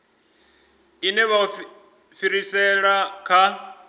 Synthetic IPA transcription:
inɛβa | fiɾisɛɺakʰa

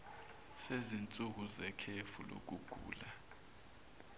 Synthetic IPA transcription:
sezint͡sʼuk̬uzɛkʰefulo̰k̬uɡ̥ʱṵːla

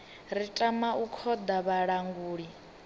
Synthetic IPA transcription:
ɾitʼamaukʰɔd̪aβaɺaŋɡuːɺi

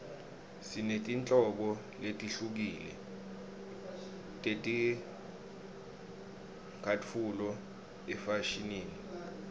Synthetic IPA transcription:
sinetʼint͡ɬʼɔɓɔ | letʼiɬuk̬iːlɛ̰ | tʼetʼi | kʰatʰulɔ | ɛfaʃiniːni

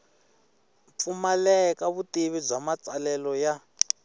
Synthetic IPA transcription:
p̪fumalɛkaβutiβib͡ʐamat͡sʼalɛlɔja

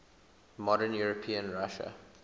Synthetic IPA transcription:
mɔɾənjuɹɔpʰĩə̃nɹaʃə̰

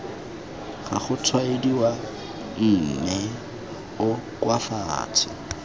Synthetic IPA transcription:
χa̰χʊtʰwaediwa | m̩ːmɛ | ʊkwafa̰ːtʰɪ

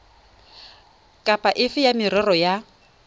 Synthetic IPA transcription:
kʼapʼaʔɪfɪjamɪɾɔrɔja

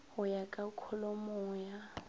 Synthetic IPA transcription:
hʊjakʼakʰɔlɔmʊːja

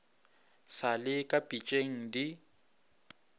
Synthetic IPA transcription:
salɪkʼapʼit͡ʃʼeŋ̩di

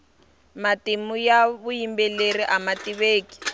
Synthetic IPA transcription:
matimujaβujimbɛleriʔamatiβeːki̥

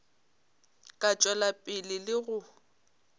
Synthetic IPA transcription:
kʼat͡ʃʼwɛlapʼɪlɪlɪɣʊ

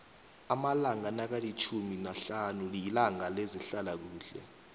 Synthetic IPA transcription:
amalaŋanak̬alit͡ʃʰuminaɬanuliilaŋaleziɬalak̬uːɬɛ̰

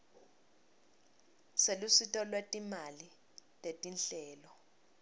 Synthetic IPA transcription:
selusitʼɔlwetʼimali | tʼetʼinɬɛːlɔ

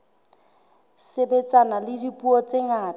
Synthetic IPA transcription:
sebet͡sanalɪdipʼuɔt͡seŋaː

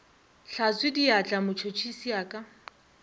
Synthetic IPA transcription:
ɬat͡swɪdiat͡ɬʼamʊt͡ʃʰot͡ʃʰisiaːkʼa

